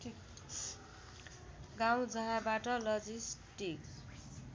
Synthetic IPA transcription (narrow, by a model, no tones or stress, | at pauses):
ɡaw̃d͡zʌɦãbaʈʌlʌd͡zisʈik